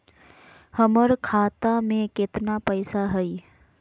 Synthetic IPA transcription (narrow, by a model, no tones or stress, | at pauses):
həməɾkʰaːt̪amẽkɪt̪napəɪsaɦəi